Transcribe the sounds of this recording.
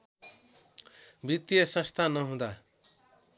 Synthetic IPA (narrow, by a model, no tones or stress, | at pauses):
bit̪jʌsʌ̃st̪ʰanʌɦũd̪a